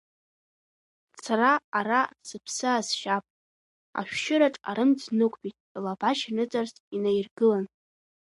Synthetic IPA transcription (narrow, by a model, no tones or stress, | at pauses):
t͡sʰaraːɾasɨpʰsɨazʃapʼ | a̰ʃᶣʃɪɾaʈ͡ʂʼa̰ɾɨmd͡znɨkʷʼbitʼlabaʃinɨt͡sʼarsinajrɡɨlan